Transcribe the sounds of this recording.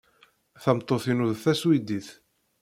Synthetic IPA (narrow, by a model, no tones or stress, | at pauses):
θəmt̪ˤːoθinuðθæswid̪iθ